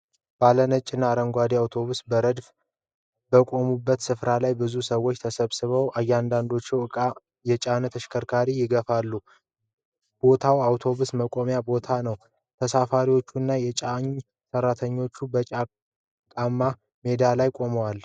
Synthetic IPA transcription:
b̥alənət͡ʃʼːɪnːaːɾəŋɡʷad̪iawt̪ʰo̞βusbəɾəd̪f | bəkʼo̞mubːət̪sɨfɾalajbɨzusəwːo̞t͡ʃːt̪ʰəsəβsɨβəwajːɛand̪and̪o̞t͡ʃːɛwʼ | jɛt͡ʃʼanət̪ʰəʃkʰəɾkʰaɾijɪɡəfalːu | b̥o̞t̪ʰawawt̪ʰo̞βusməkʼo̞mjabo̞t̪ʰanəw | t̪ʰəsafaɾiwo̞t͡ʃːunːajɛt͡ʃʼaɲ | sərːat̪ʰəɲːo̞t͡ʃːubət͡ʃʼa | kʼamːa | me̞d̪alajkʼo̞məwal

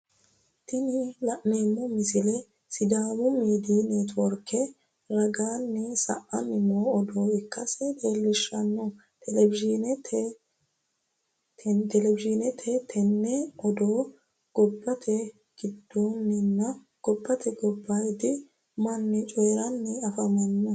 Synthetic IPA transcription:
t̪ɪnɪlɐʔmeːmːɔmɪsɪlɛ | sɪd̪aːmʊmiːd̪iːnɛt̪wɔɾkːɛ | ɾɐɡaːnːɛsɐ̰ʔɐnɪmoɔd̪oːɪkːɐsɛd̪eːlːɪʃːɐnːɔ | t̪ɛlɛbɪʒnɛtʰ | t̪ɛlɛbɪʒɪnɛt̪ʰɛt̪ʰɛnːɛɔd̪oː | ɡ̥ɔbːɐt̪ʰɛ | ɡ̥ɪd̪ːoːnːɪnːɐ | ɡ̥ɔbːɐt̪ʰɛɡɔbːaɪd̪ɪ | mɐnːɛt͡ʃʼoːɾɐnːɛɐfɐmɐnːɔ

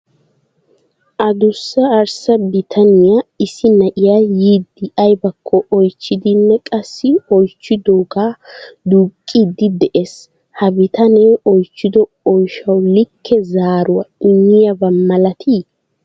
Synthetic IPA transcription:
ʔɐd̪ʊsːɐːɾsɐbɪt̪ʰɐnɪjaɪsɪnɐʔɪjaːjiːd̪ːɪɐjbɐkʰːɔʔɔjt͡ʃːɪd̪ɪnːɛkʼɐsːɪɔjt͡ʃːɪd̪oːɡaːd̪uːkʼːiːd̪ɪd̪ɛʔes | hɐbɪt̪ʰɐneːʔɔjt͡ʃːɪd̪ɔ | ɔjʃɐwlɪkʰːɛzaːɾʊwɐɪɲːɪjɐbɐmːɐlɐt̪ʰi

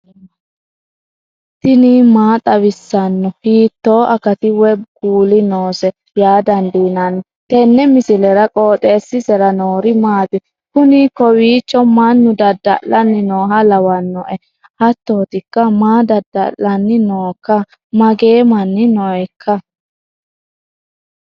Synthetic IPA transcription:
t̪ɪnimaːt̪ʼɐβɪsːɐnːɔhiːt̪ːo̞ːʔɐkɐt̪ɪwɛbɡ̥uːlɪnoːsɛ | jaːd̪ɐnd̪iːnɐn | t̪ɛnːɛmɪsɪlɛɾɐkʼo̞ːt̪ʼeːsːɪsɛɾɐnoːɾɪmaːt̪ɪ | kʊnɪkɔwiːt͡ʃʼːɔmanːʊd̪ɐd̪ːɐ̰lːɐnːɪnoːɦɐlɐwɐnːɔʔɛ | hɐt̪ːoːt̪ɪkːɐmaːd̪ɐd̪ːɐ̰lːɐnːɪnoːkːɐ | mɐɡe̞ːmɐnːɪnɔjkʰːɐ

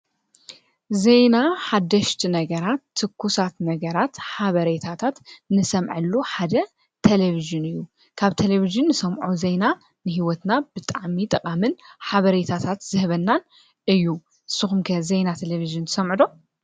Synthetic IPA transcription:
ze̞jnaħad̪ːɐʃt̪ʰinɐɡɐɾat̪ʰːɨkʰːusat̪nɐɡɐɾat̪ħaβɐɾet̪ʰat̪ʰat̪nɨsɐmʕɨlːuħad̪ɐ | t̪ʰeleviʒɨnɨjːu | kʰaβt̪ʰeleβiʒɨnːɨsɐmʕuze̞jna | nɨɦiwɔt̪nabɨt̪ʼaʕmit̪ʼɐqʼamɨnħaβɐɾet̪ʰat̪ʰat̪zɨhβɐnːan | ɨjːu | ɨsɨxumkʰɐzejnat̪ʰeleviʒɨnt̪ʰɨ̥sɐmʕɨd̪o̞

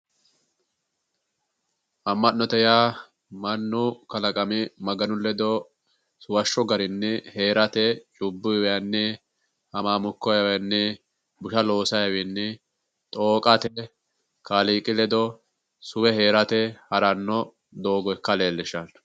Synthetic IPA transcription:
ʔɐmːɐnːɔt̪ɛjaː | mɐnːʊkɐlɐkʼɐmɪmɐɡɐnʊlɛd̪ɔ | sʊwɐʃːɔɡɐɾɪnːɛhe̞ːɾɐt̪ɛt͡ʃʼʊbːɪwɛjɐnːɛ | hɐmaːmʊkːɔjɐwjɐnːɛ | bʊʃɐlo̞ːsɐjɐwɪnːɛ | t̪ʼoːkʼɐt̪ɛ | kaliːkʼɪlɛd̪ɔ | sʊwɛɦe̞ːɾɐt̪ɛhɐɾɐnːɔ | d̪oːɡɔkːɐle̞ːlːɪʃɐn

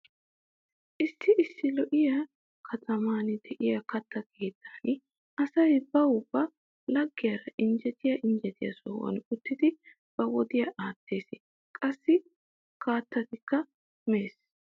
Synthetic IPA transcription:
ʔɪsːɪʔɪsːɪlɔʔɪjɐ | kʰɐt̪ʰɐmaːnd̪ɛʔɪjɐkɐt̪ʰːɐɡeːd̪aːn | ʔɐsɐjbɐwʊbːɐ | lɐɡːɪjɐɾɐʔɪnd͡ʒɛt̪ɪjɐʔɪnd͡ʒɛt̪ɪjɐ̰so̰ːwɐ̰nkʼʊt̪ːɪd̪ɪ | b̥ɐwɔd̪ɪjɐʔaːt̪ʰːe̞ːsɪ | kʼɐsːɪ | kaːt̪ːɐt̪ɪkːɐ | meːs

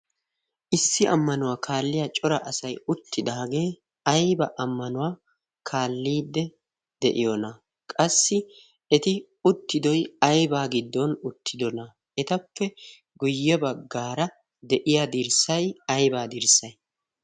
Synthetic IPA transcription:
ʔɪsːɪʔɐmːɐnʊwaːkʰaːlːɪjɐt͡ʃʼɔɾɐʔɐsɐjʊt̪ːɪd̪aːɡe̞ː | ɐjbɐʔɐmːɐnʊwaː | kʰaːlːiːd̪ːɛ | d̪ɛʔɪjɔnɐ | kʼɐsːɪ | ɛt̪ɪ | ʊt̪ːɪd̪ɔjɐjbaːɡɪd̪ːɔnʊt̪ːɪd̪ɔnɐ | ɛt̪ɐpːɛ | ɡʊjːɛbɐɡːaːɾɐ | d̪ɛʔɪjad̪ɪɾsɐjɐjbaːd̪ɪɾsɐj

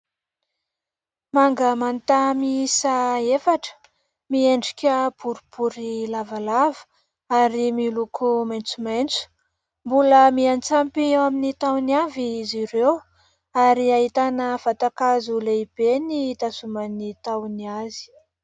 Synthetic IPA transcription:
maŋɡəmant̪amisaefaʈ͡ʂə̥ | mieɳɖ͡ʐikʲəb̥uɾub̥uɾilavalavə̥ | aɾimilukʰumajnt͡sumajnt͡su̥ | mbuləmiant͡sampiaminit̪awniaviːziɾew | aɾiaɦit̪anəfat̪akazuleib̥enit̪asumanit̪awniazi̥

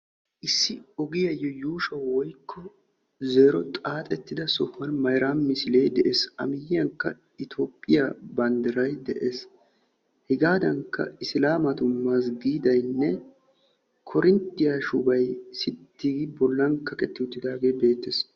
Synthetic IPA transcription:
ʔɪsːɪɔɡɪjɐjːɔjuːʃɐwwɔjkʰːɔ | zeːɾɔt̪ʼaːt̪ʼɛt̪ːɪd̪ɐsɔfːɐnmɐjɾanmɪsɪle̞ːd̪ɛʔeːsɐ̰mɪjɪjɐŋkːɐ | ɪt̪ʰoːpʼːɪjabɐnd̪ɐɾɐjd̪ɛʔeːs | hɪɡaːd̪ɐŋkːɐ̰ɪslaːmɐt̪ʊmːas̬ɡiːd̪ɐjnːɛ | kʰɔɾɪnt̪ːɪjaʃʊbɐjsɪt̪ːiːɡɪbɔlːɐnkːɐkʼɛt̪ːɪʊt̪ːɪd̪aːɡe̞ːbe̞ːt̪ːes

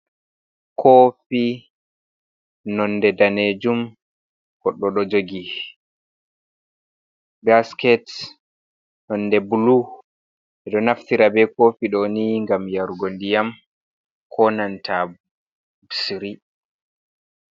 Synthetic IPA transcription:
kʰoːfi | nɔnːdɛdaned͡ʒum | ɡ̥ɔɗːɔɗɔd͡ʒoɡi | baskɛt | nɔnːdɛbulu | ɛɗɔnaftiɾabɛkofiɗɔniŋɡamjaɾuɡondijam | kʰɔnantʰa | bsiɾi

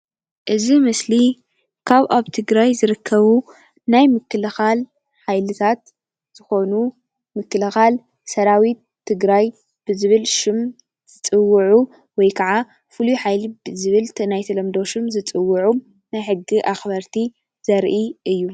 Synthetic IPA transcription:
ʔɨzimɨsli | kʰaβʔaβt̪ʰɨɡɾajzɨɾɨkʰːɐβu | najmɨkːɨlɐxal | ħajlɨt̪ʰat̪ | z̥ɨxo̞nu | mɨkːɨlɐxal | sɐɾawit̪ʰːɨɡɾaj | b̥ɨzɨβɨlʃɪm | z̥ɨt͡sʼɨwːʊʕu | wɔjkʰɐʕa | fɨluħajlibɨzɨβɨlʰnajt̪ʰɐlɐmd̪o̞ʃɪmzɨt͡sʼɨwːʊʕu | najħɨɡːiʔaxbɐɾt̪ʰi | z̥ɐɾʔiʔɨjːu

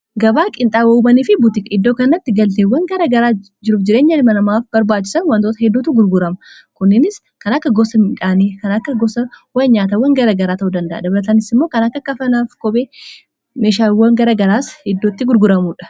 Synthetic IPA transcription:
ɡɐbaːkʼɪnt̪ʼaːbɐuːbɐniːfɪbut̪ɪkɐɪd̪ːo̞ːkɐnːɐt̪ːɪɡɐlt̪eːwɐŋɡɐɾɐɡɐɾaː | d͡ʒɪɾuːfd͡ʒɪɾe̞ːɲːɐlɪmɐnɐmaːfbɐɾbaːt͡ʃːɪ̥sɐnwɐnt̪oːt̪ɐhɛd̪ːuːt̪uɡʊɾɡʊɾɐmɐ | kʊnːɪnɪs | kɐnɐkːɐɡɔsɐmɪᶑaːneːkɐnɐkːɐɡɔsɐwɐɲaːt̪ɐwɐŋɡɐɾaːɡɐɾaːt̪ɐʔuːd̪ɐnd̪ɐʔɐ̰d̪ɐbɐlɐt̪ɐnɪsɪmːo̞ːkɐnɐkːɐkːɐfɐnaːfkʼɔbʼeː | meːʃaːwːɐŋɡɐɾaːɡɐɾaːshɛd̪ːot̪ːɪɡʊɾɡʊɾɐmuːᶑɐ̥

